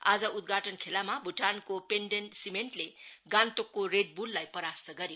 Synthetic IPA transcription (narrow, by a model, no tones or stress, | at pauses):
a̰d͡zʌʔud̪̚ɡʱaʈʌnkʰelamabʱuʈʰankopenɖensimeɳʈleɡant̪okːoɾeɖ̚bulːajpʌɾast̪ʌɡʌɾjo